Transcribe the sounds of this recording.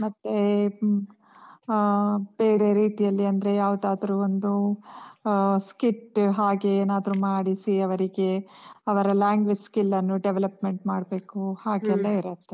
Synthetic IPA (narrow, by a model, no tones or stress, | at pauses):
mɐt̪ːe | b̥eːɾe̞ɾiːt̪ijɐlːiɐnd̪ɐɾe̞jaːʋud̪aːd̪ɐɾuːond̪u | skiʈɦaːɡe̞eːnaːd̪ɐɾumaːɽisiɐʋɐɾiɡe̞ɐʋɐɾɐlaːŋɡʋed͡ʒskilːɐnːuɖeʋelɐpme̞ɳʈmaːɽbe̞ːkuhaːɡɛlːɐiɾɐt̪ːe